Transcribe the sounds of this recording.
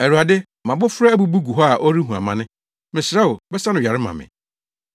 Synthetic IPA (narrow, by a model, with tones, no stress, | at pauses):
æ˨ɾu˨a˨dɪ˦ | mã˨bʊ˦fʊ˦ɾɛ˦æ˦bu˦bu˦ɡu˨ɦɔ˦a˨ʔo˦ɾi˦ɦũ˨a̰˨mã˨nɪ̃˦ | mɪ̃˨sɪ˨ɾɛ˦o˨bɛ˦sa˦nʊ̃˨ɥᶣa˨ɾɪ˦mã̰˨mɪ̰̃˨